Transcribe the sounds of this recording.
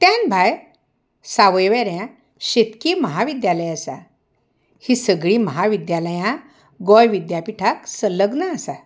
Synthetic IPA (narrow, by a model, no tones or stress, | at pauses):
t̪jãnbʱaj | saʋəjʋɛɾjã | ɕet̪kiːməɦaʋid̪jaləjasa̰ | hisəɡɭiːməɦaʋid̪jaləjã | ɡɔjʋid̪japiʈʰaksələɡnaːsa